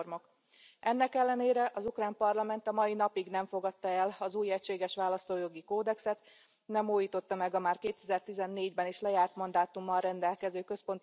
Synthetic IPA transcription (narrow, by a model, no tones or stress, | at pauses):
rmo̞k | ɛnːɛkɛlːɛneːɾɛʔɒzukraːmpɒrlɒmɛnt̪ɒmɒjinɒpiɡnɛɱfo̞ɡɒt̪ːɒɛlɒzuːjɛcʃeːɡɛʃʋaːlɒst̪oːjo̞ɡikoːd̪ɛksɛt̪ | nɛmuːjiːt̪o̞t̪ːɒmɛɡɒmaːrkeːt̪ɛzɛrt̪izɛnːeːɟbɛneːʃlɛjaːrt̪mɒnd̪aːt̪umːɒlrɛnd̪ɛlkɛzøːkø̞spo̞nt̪